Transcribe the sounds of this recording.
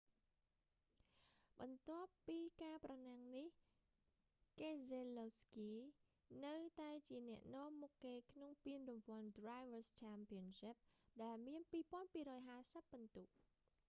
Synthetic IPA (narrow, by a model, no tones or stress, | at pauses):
ɓɑnt̪ŏəpːiːkaːprɑnaŋnih | kezeloskiː | nɨwt̪aɛt͡ɕiənɛ̆əʔnɔ̆əmːukːeːkʰnoŋpiənrumpoəndrajʋəst͡ɕʰaːmpiənsip̚ɗaɛlmiənpiːpŏənpiːɾɔːjɦaːsəpːɑnt̪uʔ